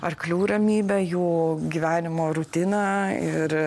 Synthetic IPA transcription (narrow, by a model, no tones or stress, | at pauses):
ɐɾklʲuːɾɐmʲiːbʲɛːjuːɡʲiːʋʲæːnʲɪmoːɾʊt̪ʲɪnɑːɪ̰ɾ